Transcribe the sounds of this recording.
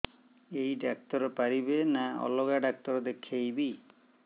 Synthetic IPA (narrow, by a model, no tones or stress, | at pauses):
ejɖak̚t̪ɔɾɔpaɾibenaɔ̰loɡaɖak̚t̪ɔɾɔd̪ekʰːejbi